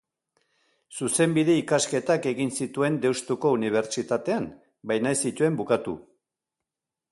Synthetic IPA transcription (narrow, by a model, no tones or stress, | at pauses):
suse̞mbiðe̞ikaske̞t̪ake̞ɣinsit̪ue̞nd̪e̞wst̪uko̞uniβ̞e̞ɾt͡ʃit̪at̪e̞an | bajnajsit̪ue̞mbukat̪ṵ